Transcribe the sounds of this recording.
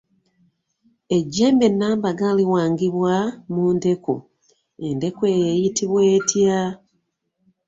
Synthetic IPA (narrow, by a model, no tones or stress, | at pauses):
e̞ɟːe̞ːmbe̞nːaːmbaɡaliwaːŋɡiβwamuːnde̞ko̰ | ende̞kwejejitiβweːtʰja